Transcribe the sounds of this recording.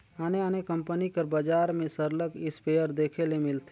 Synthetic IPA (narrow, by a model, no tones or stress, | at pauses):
aːneaːnekə̃mpənikəɾbaːd͡ʒaːɾmẽsəɾləkɪspeːjəɾd̪eːkʰelemɪlt̪ʰe